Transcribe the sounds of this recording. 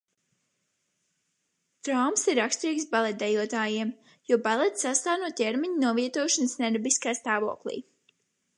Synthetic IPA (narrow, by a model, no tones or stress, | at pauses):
t̪ɾawmsiɾakst̪ɾiːksbalˠɛt̪̚d̪ɛjuɔt̪aːjiɛm | juɔbalɛt̪sast̪aːnuɔt̪̚tʲɛɾmiɲnuɔviɛt̪uɔʃansnʲɛɾbiskaːst̪aːvo̰ɔklḭː